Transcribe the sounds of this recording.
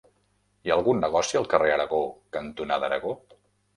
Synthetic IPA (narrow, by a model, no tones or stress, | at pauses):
iaəlˠɣunːəɣ̞ɔsiəlˠkəreəɾəɣokənt̪unaðəɾəɣo